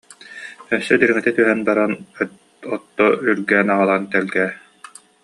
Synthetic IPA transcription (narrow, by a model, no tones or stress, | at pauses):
œsːœd̪iɾiŋit̪ɛt̪yɦɛnbaɾan | ɔt̪ːɔyɾɡɛːnaʁalˠant̪ɛlɡɛː